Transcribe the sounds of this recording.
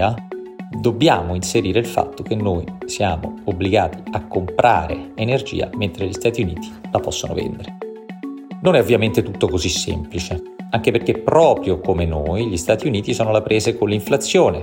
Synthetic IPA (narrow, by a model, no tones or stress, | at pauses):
a | d̪obːjaːmoinseɾiːɾeilfa̰t̪ːok̟enːoːjsjaːmo̰obːliɡaːt̪iakːompɾʔa̰ːɾḛenerd͡ʒḭːa̰ment̪ɾeʎist̪aːt̪iuniːt̪i̥lapɔsːono̰vɛ̰nd̪eɾe | nonɛovːjament̪et̪ut̪ːokozisːɛ̰mplit͡ʃe | aŋk̟eperk̟epːɾɔːpɾjokomenoːjʎist̪aːt̪iuniːt̪isɔːnolapɾʔeːzekonliɱflat̪sːjoːne